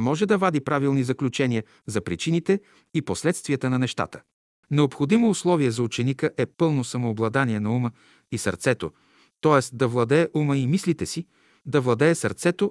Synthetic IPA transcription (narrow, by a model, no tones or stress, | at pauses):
mɔʒɛd̪ɐvad̪ipɾavilˠnizɐklʲut͡ʃɛnʲiə | zɐpɾit͡ʃinit̪ɛ | iposlɛt̪st̪viət̪ənɐnɛʃt̪a̰t̪ə̥ | nɛopxod̪imoːslˠɔviɛzɐut͡ʃɛnikəʔɛpɤlˠnosɐmoːblˠɐd̪aniɛnɐumə | isə̰ɾt̪sɛt̪o̰ | t̪ɔɛsd̪ɐvlˠɐd̪ɛːʔuməimislit̪ɛsi | d̪ɐvlˠɐd̪ɛːsɐɾt̪sɛt̪o